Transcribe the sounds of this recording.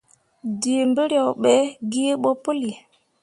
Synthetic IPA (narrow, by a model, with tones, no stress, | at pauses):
di˨mbə˦ɾjɔ˨wɓe˦ɡi˦ɓo˦pu˦li˨